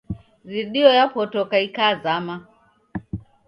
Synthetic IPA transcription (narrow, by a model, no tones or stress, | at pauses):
ɾiɗiɔjapɔtɔkaikazama